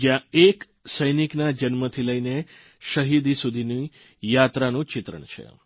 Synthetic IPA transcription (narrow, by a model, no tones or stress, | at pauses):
d͡ʒjãek | səjniknad͡ʒənmət̪ʰiləine | ʃəɦid̪ʱisud̪ʱini | jat̪ɾanũt͡ʃɪt̪ɾə̰ɳ̃t͡ʃʰḛ